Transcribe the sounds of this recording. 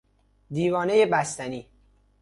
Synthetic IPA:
d̪iːvɒːne̞je̞bæst̪æniː

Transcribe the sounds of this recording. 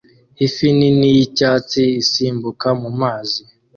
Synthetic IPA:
hifininijicaːt͡siisiːmbukamumaːzi

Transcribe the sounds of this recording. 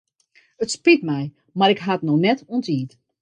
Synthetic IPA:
ətspritmɛj | maɾɪkɦatnɔxnɛtɔntiːt

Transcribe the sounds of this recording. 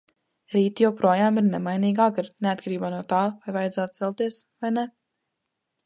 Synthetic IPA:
ɾiːt̪jawpɾuɔjaːmiɾnɛmajniːɡaːkaɾneat̪̚kʰaɾiːbaːnuɔt̪aːvajvajɛd̪zaːt̪̚t̪sɛlˠt̪iɛsvajnɛ

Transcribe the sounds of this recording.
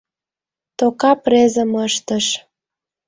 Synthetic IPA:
t̪okɑprezə̆məʃt̪əʃ

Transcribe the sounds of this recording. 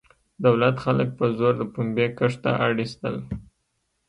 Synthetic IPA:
d̪awlat̪xalək̚pəzoɾd̪əpumbekəʂt̪a̰ʔaɽist̪ə̰l

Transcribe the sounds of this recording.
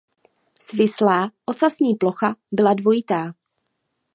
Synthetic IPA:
svɪslaːʔot͡sasɲiːplo̞xabɪladvo̞jɪt̪aː

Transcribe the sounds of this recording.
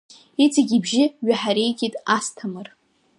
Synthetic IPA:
it͡sʼaɡʲibʒɪɥaħaɾejɡʲʼitʼastʰamɨr

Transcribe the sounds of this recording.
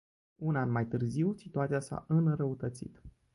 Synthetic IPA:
unanmajt̪ɨrziwsit̪uat̪sijasa̰ʔɨnɾəut̪ət̪sḭt̪

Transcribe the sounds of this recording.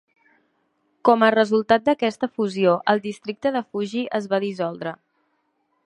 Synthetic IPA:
kɔmərəzulˠt̪at̪̚d̪əkɛst̪əfuzioʔəlˠd̪ist̪ɾik̚t̪əðəfuʒiʔəzβaðizɔlˠd̪ɾə

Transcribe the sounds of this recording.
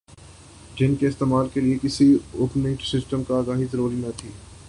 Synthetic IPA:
d͡ʒɪnkeɪst̪eːmaːlkeliekɪsiʊːpniːʈsɪsʈəmkaːɡaːɦit̪ɾoːlinɐt̪ʰiː

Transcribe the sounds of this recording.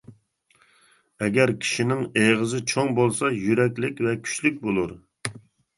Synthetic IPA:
ɛɡʲɛɾkʲʰi̥ʃinɪŋeʁəzɪt͡ʃʰoŋbolˠsɑjyɾɛkʲlɪkʲvɛkʲʰy̥ʃlyk̚ʲbolˠuɾ

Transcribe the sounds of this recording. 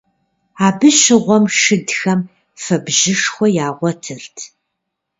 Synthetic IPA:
aːbɨʃɪʁʷɔmʂɨdxɐm | fɐbʒɪʂxʷɔjaːʁʷɔtʰɨrtʰ

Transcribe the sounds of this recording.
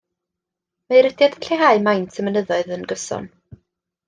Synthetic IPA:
maɨɾədjad̥əɬeɦaɨmajntʰəmənəðɔɨðənɡəsɔ̰n

